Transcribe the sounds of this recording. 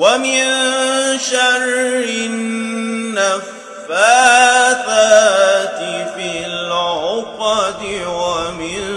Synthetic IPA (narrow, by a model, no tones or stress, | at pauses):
wamɪnʃaɾːɪnː | afː | aːθaːt̪ɪfɪllʕʊqɑt̪ɪwamɪn